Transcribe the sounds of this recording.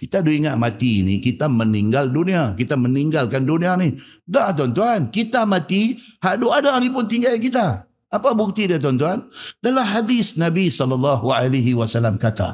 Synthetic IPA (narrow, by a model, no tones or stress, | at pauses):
kit̪adoiŋaʔmat̪ḭːnḭkit̪aməniŋɡalduniakit̪aməniŋɡalkandunianidaʔt̪uant̪uankit̪amat̪ihaʔdoadanip̬ʊnt̪iŋɡalkit̪aː | pabuk̚t̪idiat̪̬uant̪uandalamɦadɪsnabisɔlɔlːɑɦualaɦiwasalamkat̪a̰